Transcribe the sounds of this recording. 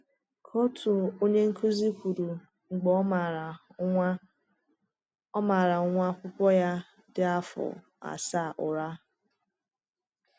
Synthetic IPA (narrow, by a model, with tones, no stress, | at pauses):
kʰo˦tʰu˨o˦ɲe˦ŋ̩˦kʰu˦zi˦kʷu˨ɾu˨ | ŋ͡m̩˨ɡ͡bɔ˦˨˦ | ɔ˦ma˨ɾa˨ʊ˦ŋʷa˦kʷʊ˦kʷɔ˦ja˦ | dɪ˦a˦fʊ̰˨ | a̰˨sa˦˨ʔʊ˨ɾa˦